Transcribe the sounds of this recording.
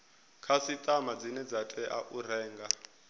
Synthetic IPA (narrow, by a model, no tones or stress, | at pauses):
kʰasit̪ʼamad͡zinɛd͡zatʼɛʔaʔur̤ɛːŋɡa